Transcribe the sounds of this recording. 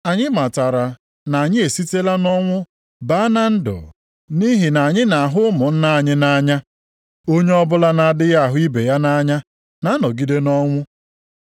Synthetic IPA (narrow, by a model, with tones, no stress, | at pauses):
a˨ɲɪ˦ma˨ta˨ɾa˨ | na˨a˨ɲɪ˦e˨si˦te˦la˦nɔ˦ŋʷʊ˦ | ba˨˦a˦na˦n̩˦dʊ̰˨ | ni˦ɦi˨na˨ɲɪ˦na˨ɦʊ˦ʊ˦mʊ˨n̩˦na˦a˨ɲɪ˦na˦ɲa˦ | o˦ɲe˦ɔ˦bʊ˦la˦na˦a˦dɪ˦ja˦a˨ɦʊ˦i˦be˨ja˦na˦ɲa˦ | na˦nɔ˨ɡi˦de˦nɔ˦ŋʷʊ˦